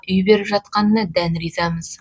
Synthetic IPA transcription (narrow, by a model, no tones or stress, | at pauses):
ʏjbe̞ɾɪpʒɑt̪̚qɑnːəd̪ænɾizɑməz̥